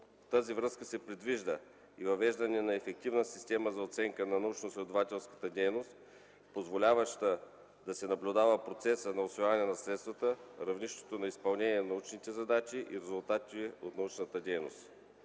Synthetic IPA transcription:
ft̪azivɾəskəsɛpɾɛd̪viʒd̪ə | ivɐvɛʒd̪ɐnɛnɐɛfɛk̚t̪ivnəsist̪ʲɛməzɐot̪sɛŋkənɐnɐut͡ʃnoslʲɛd̪ovat̪ʲɛlˠskə̥t̪əd̪ʲɛjnost̪ | pozvolʲavəʃt̪ə | d̪ɐsɛnɐblʲud̪avəpɾot̪sɛsənɐosvivavɐnɛnɐsɾɛt̪st̪vɐt̪əɾɐvniʃt̪ɛ̥t̪onɐispɐlˠnɛniɛnɐut͡ʃnit̪ɛzɐd̪at͡ʃiʔḭɾɛzʊlˠt̪at̪iot̪nɐut͡ʃnət̪əd̪ɛjno̰st̪

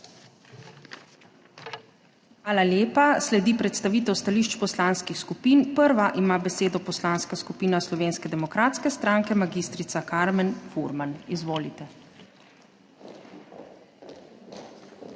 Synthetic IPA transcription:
xʋaːlaljeːpaslɛd̪ipɾɛt̪st̪aʋiːt̪ɛwst̪aliːʃt͡ʃpɔslaːnskixskupiːnpəɾʋaʔimabɛseːd̪ɔpɔslaːnskaskupiːnaslɔʋeːnskɛd̪ɛmɔkɾaːt̪skɛst̪ɾaːŋkɛmaɡiːst̪ɾit̪sakaɾmɛnfuɾmanizʋoːlit̪ɛ

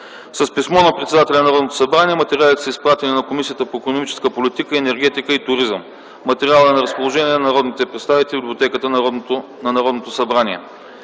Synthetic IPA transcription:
sɐspismɔnɐpɾɛt̪sɛd̪at̪ɛlʲɛnɐɾɔd̪not̪o̥sɐbɾaniɛmɐt̪ɛɾʲialˠit̪ɛ̥səispɾat̪ɛninɐkomisijət̪əpoɛkonomit͡ʃɛ̥skəpolʲit̪ikəɛnɛɾɡ̟ɛt̪ikəit̪ʊɾizəm | mɐt̪ɛɾialˠəɛnɐɾəspolˠoʒɛniɛnɐnɐɾɔd̪nit̪ɛpɾɛt̪st̪avit̪ɛlʲibiblʲot̪ɛkət̪ən | nɐnɐɾɔd̪not̪osɐbɾaniɛ̰

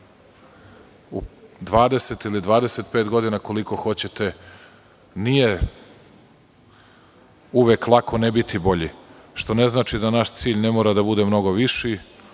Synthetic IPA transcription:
ṵd̪ʋaːd̪e̞se̞t̪ilid̪ʋaːd̪eset̪̚pe̞ːt̪ɡo̞d̪inako̞liko̞xo̞t͡ɕe̞t̪e̞ | nije̞ | uʋeːklˠakʰo̞nebit̪ʰibo̞ʎi | ʃt̪o̞ne̞znaːt͡ʃid̪anaʃt̪siːʎnemoːɾad̪abud̪e̞mno̞ɡo̞ʋiʃi

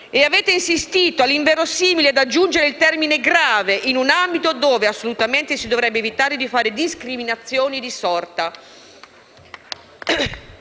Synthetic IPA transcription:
eaveːt̪einsist̪iːt̪oalːiɱvɛːɾosiːmilead̪ad͡ʒːund͡ʒeɾeilt̪ɛrmineɡɾaːveʔinunambit̪od̪oːveasːolut̪ament̪esid̪ovɾɛbːeːvit̪aːɾed̪ifaːɾed̪iskɾiminat̪sːjoːnid̪isɔrt̪a

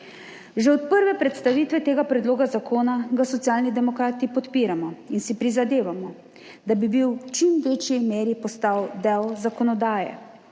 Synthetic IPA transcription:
ʒɛɔt̪̚pəɾʋɛpɾɛt̪st̪aʋiːt̪ʋɛt̪eːɡapɾɛd̪loːɡazakʰoːnaɡasɔt̪sjaːlnid̪ɛmɔkɾaːt̪ipɔt̪piːɾamɔinsipɾizad̪eːʋamɔ | d̪abibiwt͡ʃimʋeːt͡ʃjimeːɾipɔst̪awd̪ɛwzakɔnɔd̪aːjɛ̰

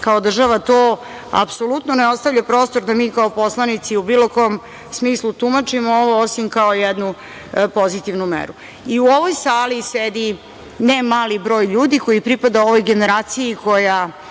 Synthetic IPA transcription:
kaod̪r̩ʒaʋat̪o | a̰pso̞lˠut̪noneo̞st̪aʋʎʲapɾo̞ːst̪o̞ɾd̪amiːkaopo̞slˠanit̪siubiːlo̞ko̞om | smiːslˠut̪umat͡ʃimooʋoosimkaojɛd̪nu | po̞zit̪iʋnumḛɾu | iuoʋo̞jsaːlised̪i | nemaːlibɾo̞ːjʎuːd̪iko̞jipɾipad̪ao̞ʋo̞jɡe̞neɾaːt̪sijiko̞ja

